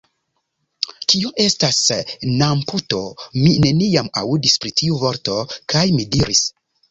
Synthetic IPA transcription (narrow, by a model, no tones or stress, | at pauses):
kioʔe̞stasnamputo̞mine̞niama̰udispɾitʰiuvo̞ɾto̞kʰajmidiɾis